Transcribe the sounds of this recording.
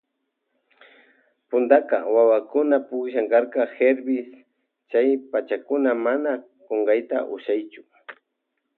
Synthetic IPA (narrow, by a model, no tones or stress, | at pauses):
pʊnd̪akɑ̰wawakʊnapʊkʃaŋkɑɾqɑheɾbɪs | t͡ʃajpat͡ʃakʊnamana | koɴɢɑjt̪a̰ʔʊʃajt͡ʃʊ̥